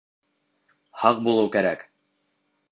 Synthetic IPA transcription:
hɑq̚bulˠɤwkæɾæk

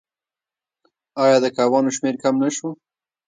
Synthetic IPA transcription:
ɑjɑd̪əkɑwɑnoʃmeɾkamnaʃo

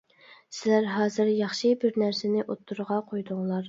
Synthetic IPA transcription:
sɪlæɾɦɑːzɪɾjɑχʃibɪɾnæɾsɪnɪʔot̪ʰːuɾʁɑqʰojd̪ʊŋlˠɑɾ

